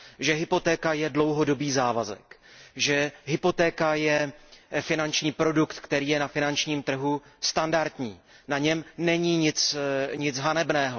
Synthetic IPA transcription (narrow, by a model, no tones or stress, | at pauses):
ʒɛɦɪpo̞t̪ɛːkajɛdlo̞wɦo̞do̞biːzaːvazɛ̰kʒɛɦɪpo̞t̪ɛːkajɛfɪnant͡ʃɲiːpɾo̞dukt̪kt̪ɛɾiːjɛnafɪnant͡ʃɲiːmt̪r̩ɦust̪andaɾt̪ɲḭː | naɲɛmnɛɲiːɲɪt͡sɲɪt͡sɦanɛbnɛːɦo̞